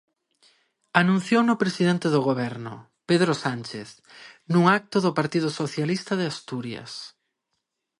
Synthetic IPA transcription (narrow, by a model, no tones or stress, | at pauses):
anũn̟θjownʊpɾesiðent̪eðʊɣoβɛɾnʊ̰ | peðɾosant͡ʃeθ | nuŋak̚t̪ʊðʊpaɾt̪iðʊsoθjalist̪ɐðɪast̪uɾjɐ̰s